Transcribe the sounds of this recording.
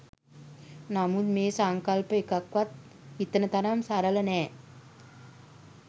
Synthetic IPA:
namud̪meːsaŋkalpəekakʋat̪̚ | it̪ənət̪aɾamsaɾələnɛː

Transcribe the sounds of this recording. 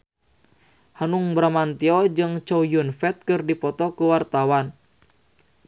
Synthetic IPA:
hanuŋbɾamant̪iɔd͡ʒɨŋt͡ʃowjunfɛt̪̚kɨrdipɔt̪ɔkuwart̪awan

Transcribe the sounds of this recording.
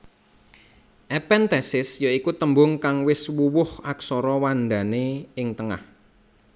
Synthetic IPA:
ʔɛpɛnt̪ɛsɪsjaikut̪əmbʊŋkaŋwɪswuwʊhaksɔɾɔwanɖ̪a̤neɪŋt̪əŋa̰h

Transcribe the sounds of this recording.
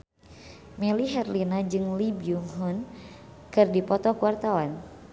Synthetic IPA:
mɛliɦɛrlinad͡ʒɨŋlibiuŋɦunkɨrdipɔt̪ɔkuwart̪awan

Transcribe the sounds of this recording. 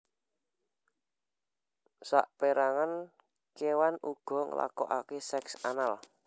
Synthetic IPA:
sa̰ʔpeɾaŋan | kewanuɡ̥ɔ̤ŋə̰la̰kɔ̰ʔakesɛksanal

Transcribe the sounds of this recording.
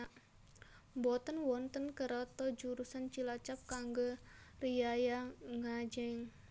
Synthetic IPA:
mbɔt̪ənwɔnt̪ənkəɾɔt̪ɔd͡ʒuɾusant͡ʃilat͡ʃap̚kaŋɡorijajaŋad͡ʒɛŋ

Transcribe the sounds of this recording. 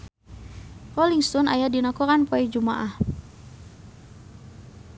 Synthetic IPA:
rɔliŋst̪ɔnajadinakɔɾanpɔɛd͡ʒuma̰ʔah

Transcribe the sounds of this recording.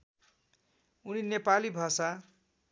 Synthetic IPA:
uninepalibʱasa

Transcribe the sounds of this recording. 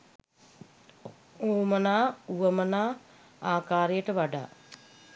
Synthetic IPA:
oːmɐnaːuʋɐmɐnaː | aːkaːɾijɐʈɐʋɐɖa̰

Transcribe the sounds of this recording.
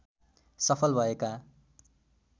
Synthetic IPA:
sʌpʰʌlbʱʌeka

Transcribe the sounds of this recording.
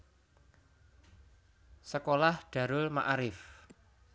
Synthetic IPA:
səkolahɖ̪̥a̤ɾʊlma̰ʔɾɪf

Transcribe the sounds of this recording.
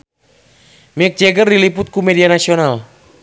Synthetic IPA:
mɛk̚d͡ʒɛɡərdilipʊt̪̚kumɛdianasional

